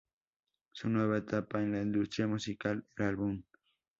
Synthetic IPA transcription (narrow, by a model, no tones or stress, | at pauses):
sʊnweβat̪apanland̪ʊst̪ɾijamʊsɪkalelalbʊm